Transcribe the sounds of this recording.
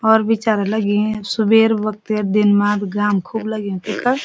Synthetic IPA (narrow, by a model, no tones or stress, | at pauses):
ɔːɾʋɪt͡ʃaːɾeləɡiẽsubeːɾʋək̚t̪eɾd̪ɪnmaːt̪ɡaːmkʰubləɡiẽt̪ikʰəɾ